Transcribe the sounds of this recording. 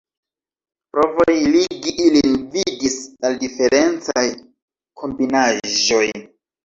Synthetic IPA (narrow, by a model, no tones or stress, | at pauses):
pɾo̞vo̞jliɡiʔilinvidisaldife̞ɾʔe̞nt͡saj | kʰo̞mbinaʒo̞j